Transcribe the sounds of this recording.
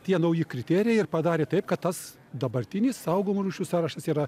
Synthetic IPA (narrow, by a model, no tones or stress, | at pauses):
t̪ʲiɛnɐʊjɪkɾʲɪt̪ʲæːɾʲɪjɛɪrpɐd̪ɑːɾʲeːt̪ɐɪp̚kɐt̪t̪ːɐs | d̪ɐbɐɾʲt̪ʲɪnʲɪssɐʊɡomoɾuːʃʲuːsɑːɾɐʃt̪ɐsiːɾɐ